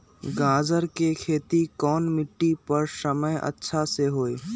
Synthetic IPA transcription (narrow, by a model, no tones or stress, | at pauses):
ɡãːd͡ʒəɾkekʰeːt̪ikɔːnmɪʈːipəɾsəməjʔə̰tːʃʰaseɦoːeː